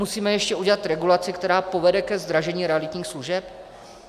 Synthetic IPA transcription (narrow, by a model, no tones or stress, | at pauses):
usiːmɛjɛʃcɛuɟɛlat̪ɾɛɡulat͡sɪkt̪ɛɾaːpo̞vɛdɛkɛzd̪ɾaʒɛɲiːɾɛalɪt̪ɲiːxsluʒɛp